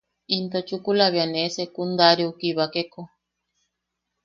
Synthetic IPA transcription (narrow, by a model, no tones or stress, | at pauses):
int̪ot͡ʃukulaβianesekund̪aɾiokiβakeko